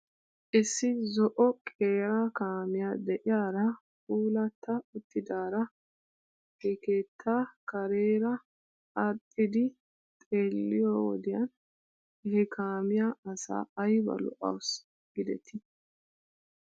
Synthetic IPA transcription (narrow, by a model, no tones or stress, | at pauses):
ʔɪsːɪzɔʔɔkʼe̞ːɾaːkaːmɪjaːd̪ɛʔɪjaːɾɐ | kuːlɐt̪ʰːɐʊt̪ːɪd̪aːɾɐ | hɛkeːt̪ʰːaːkɐɾeːɾɐ | ɐt̪ʼːɪd̪ɪ | t̪ʼeːlːɪjoːwɔ̰d̪ɪjɐn | ɛhɛkʰaːmɪjaːɐsa̰ːɐjbɐ̰lɔ̰ʔɐ̰ws | ɡ̥ɪd̪ɛt̪ʰɪ